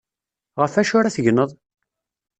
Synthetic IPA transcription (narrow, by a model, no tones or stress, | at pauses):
ʁəfæʃʊɾæθəʝnəðˤ